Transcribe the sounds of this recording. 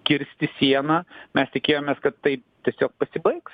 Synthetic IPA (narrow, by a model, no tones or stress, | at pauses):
kʲɪɾʲsʲt̪ʲɪsʲiɛnɐːmʲɛst̪ʲɪkʲeːjoːmʲeːskɐt̪t̪ɐɪt̪ʲiɛsʲoːk̚pɐsʲɪbɐɪks